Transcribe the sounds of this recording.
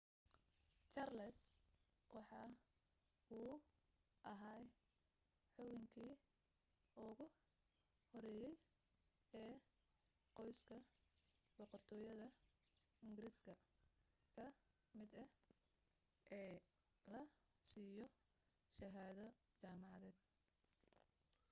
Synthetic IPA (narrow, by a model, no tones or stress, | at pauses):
t͡ʃɐrlɛs | wɑħɑː | uː | ʔɐɦaːj | ħɔwɪŋkʰiː | ɔɣʊ | hɔɾɛːjɛj | ɛː | qɔjskʰɐ | b̥ɔqɔrt̪ʰɔːjɐðɐ | ɪŋɡɪɾɪskʰɐ | kʰɐ | mɪd̪ɐ | ʔɛː | lɐ | siːjɔ | ʃɐɦaːðɐ | t͡ʃaːmɑʕɑðɛːd̪̚